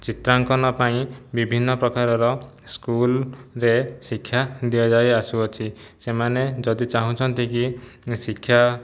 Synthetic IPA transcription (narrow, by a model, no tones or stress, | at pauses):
t͡ʃit̪ɾaŋkɔnɔpaĩbibʱinːɔpɾɔkaɾɔɾɔ | skulɾesikʰːjad̪iɔd͡ʒajasuɔt͡ʃʰi | semaned͡ʒɔd̪it͡ʃaɦũt͡ʃʰɔnt̪ikisikʰːja